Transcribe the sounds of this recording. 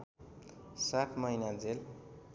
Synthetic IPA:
satʰmʌjnad͡zel

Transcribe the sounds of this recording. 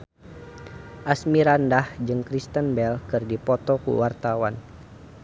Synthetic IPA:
ʔasmiɾandahd͡ʒɨŋkɾist̪ənbɛlkɨrdipɔt̪ɔkṵwart̪awan

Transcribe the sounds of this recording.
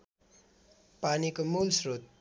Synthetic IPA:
panikomulsrot̪̚

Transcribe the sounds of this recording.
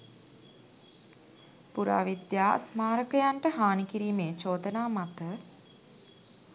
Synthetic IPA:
puɾa̰ːʋid̪jaːsmaːɾəkəjaɳʈəɦaːnikiɾiːmeːt͡ʃoːd̪ənaːmat̪ə

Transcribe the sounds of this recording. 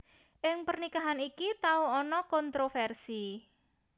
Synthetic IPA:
ʔɪŋpərnikaɦanikit̪auɔnɔkɔnt̪ɾofɛrsi

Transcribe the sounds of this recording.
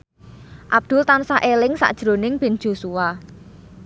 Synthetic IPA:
ʔab̚d̪̥ʊ̤lt̪ansaʔelɪŋsa̰ʔd̥ʒ̥ɾo̤nɪŋb̥e̤n̥d͡ʒ̥o̤suwa

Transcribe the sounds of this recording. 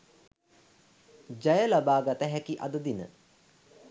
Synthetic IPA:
d͡ʒajəlabaːɡat̪əɦækiʔa̰d̪əd̪inə̰

